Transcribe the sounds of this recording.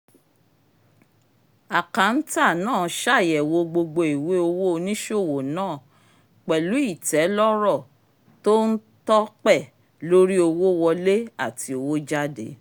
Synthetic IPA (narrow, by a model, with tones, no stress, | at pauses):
a˨ka˨˦n̩˦ta˦˨nãː˦˨˦ʃa˦˨jɛ˨wo˧ɡ͡bo˧ɡ͡bo˧i˨we˨˦o˧wo˦o˧nĩ˦ʃo˦˨wo˨nãː˦˨ | k͡pɛ˨lu˨˦i˦˨tɛ˨˦lɔ˦ɾɔ˦˨ | to˦n̩˦ | tɔ˦k͡pɛ˦˨ | lo˦ɾi˦o˧wo˦wɔ˧le˦a˦˨ti˨˦o˧wo˦d͡ʒa˦dḛ˨˦